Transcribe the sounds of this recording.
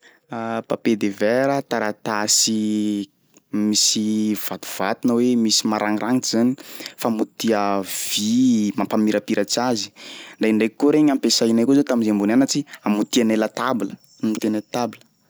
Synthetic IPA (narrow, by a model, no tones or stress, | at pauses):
apaped̪evɛɾət̪aɾat̪asi | misiv̥at̪u̥v̥at̪unəwemisimaɾaŋiɾʔaŋiz̥anifamut̪iəv̥imampamiɾapiɾʔat͡ʃazi̥d̪aiɳɖ͡ʐekːoɾeɲampesajnajkozot̪aminzembunanat͡ʃiamut̪ianelət̪abilə | amut̪ianelt̪abilə